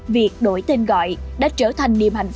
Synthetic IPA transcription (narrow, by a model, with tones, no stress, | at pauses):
vi˨˩ək̚ɗo˨˦jt̪e˧nɣɔ̰˧˨jɗa̰ː˧˥t͡ɕəː˧˩t̪ʰa˨˩jŋ̟ɗḭ˨əmha˨˩jŋ̟f